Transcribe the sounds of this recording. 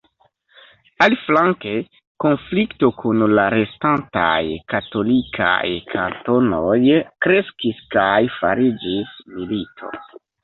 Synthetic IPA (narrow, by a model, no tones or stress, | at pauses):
aliflaŋke̞ | ko̞nflikto̞kʰunlaɾestanta̰jkato̞likʰa̰jkʰanto̞no̞jkɾe̞skiskajfa̰ɾid͡ʒismilitʰo̞̰